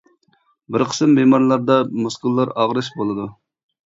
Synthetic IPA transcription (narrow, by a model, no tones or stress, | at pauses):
bɪɾqʰə̥sɨmːemɑɾlˠɑɾd̪ɑmuskʊlˠːɑɾɑʁɾɨʃbolˠɨd̪u